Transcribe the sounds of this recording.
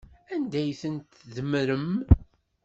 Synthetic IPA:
ænd̪æjθənt̪ðəmɾəm

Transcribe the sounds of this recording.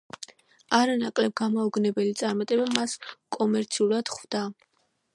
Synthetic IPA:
aɾanakʼlɛb̚ɡamauɡnɛbɛlit̪sʼaɾmat̪ʼɛbamaskʼɔmɛɾt̪sʰiulad̪̥χvd̪a

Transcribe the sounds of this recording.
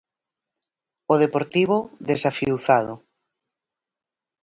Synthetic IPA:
oðepoɾt̪iβʊðesafiuθað̞ʊ

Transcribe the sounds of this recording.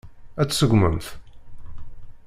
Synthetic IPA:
æt͡sːsəɡʷmə̰mθ

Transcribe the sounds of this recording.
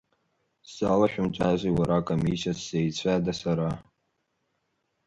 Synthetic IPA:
salaʃᶣʊmt͡ʃʷʼazʷiwaɾakʼomisiasːejt͡ɕʷʰadasaɾa

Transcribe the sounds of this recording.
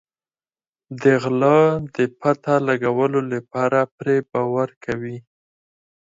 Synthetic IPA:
d̪əɣlɑd̪əpat̪alaɡawəlolapɑɾapɾebɑwaɾkʰawi

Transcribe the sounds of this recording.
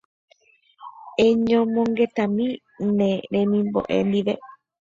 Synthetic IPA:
ẽɲõmõŋɡe̞t̪amĩ | nẽɾẽmĩmbo̰ʔḛnd̪iʋe

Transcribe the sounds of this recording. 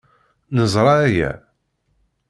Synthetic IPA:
nəzˤɾˤɑæjæ̰

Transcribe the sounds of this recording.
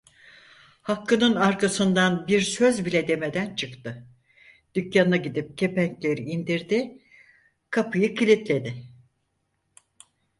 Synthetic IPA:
hakːɯnɯnaɾkʰasɯnd̪anbiɾsøzbilʲɛd̪e̞me̞d̪ænt͡ʃʰɯkt̪ɯ | d̪̥ycjanaɟid̪ip̚cʰe̞pæɲclʲe̞ɾiːnd̪iɾd̪ɪ | kʰapʰɯjɯkʰilʲit̪lʲe̞d̪ɪ

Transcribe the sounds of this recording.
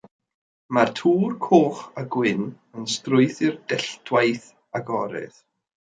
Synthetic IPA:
martʰuːrkʰoːχaɡwɪn | ənstrʊɨθɪrdɛɬtʰwajθ | aɡɔɾɪ̰ð

